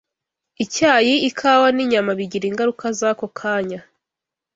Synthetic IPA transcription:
icaːjiikʰaːwaniɲamaβiɟiɾiŋɡaɾukazakokʰaːɲa

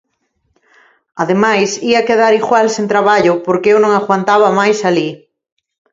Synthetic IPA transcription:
aðemajsiakeðaɾiɣwalsent̪ɾaβaʎʊpoɾkeewnõŋaɣwant̪aβ̞ɐmajsali

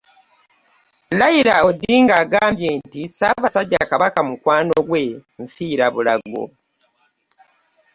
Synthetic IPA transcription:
lajiɾaodːiːŋɡaːɡaːmbjeːntisaːβasaɟːakaβakamukwaːnoɡwe̞ɱfiːɾaβula̰ɡo̞̰

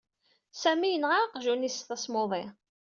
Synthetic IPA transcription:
sæmijənʁaqʒunisθæsmoðˤɪ

